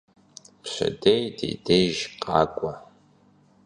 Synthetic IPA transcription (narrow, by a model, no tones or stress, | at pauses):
pɕɐ̰dejdḛjdejʒqʼɑ̰ːkʷʼɔ